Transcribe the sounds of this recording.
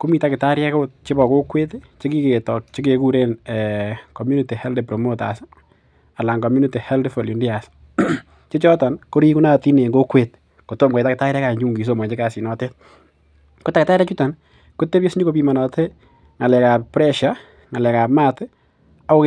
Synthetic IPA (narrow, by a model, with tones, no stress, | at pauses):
ku˦miː˦ta˦kɪ˨ta˦ɾjɛ˦ko˦t͡ʃe˦bɔ˨ko˦kwe˦tt͡ʃe˦ki˦ke˨tɔ˨k̚t͡ʃe˦ke˨ku˦ɾe˦nɛko˨mju˦ni˨ti˨hɛ˦lde˨pɾo˨mo˦ta̰s | a˨la˨ŋkɔ˨mju˦ni˦ti˨hɛ˦ldfo˨lu˨ndi˦a˨s | t͡ʃe˦t͡ʃɔ˦ta˨nko˦ɾi˦ku˦na˦ti˦ne˨ŋɡo˦kwe˦t̚ | ko˨to˦˨mka˨ta˦kɪ˨ta˦ɾɛ˦ka˨ɲd͡ʒu˦ŋɡi˨s̬o˨mɔ˨t͡ʃe˦ka˨si˨nɔ˨te˦t̚ | ko˦ta˦kɪ˨ta˦ɾja˦t͡ʃu˦ta˨n | ku˦te˦pje˦sɲo˦ko˦pi˨ma˨nɔ˨te˦ | ŋa˨lɛ˨ka˨ppɾɛ˦ʃa˨ | ŋa˨lɛ˨ka˨pma˦t | a˦o˦k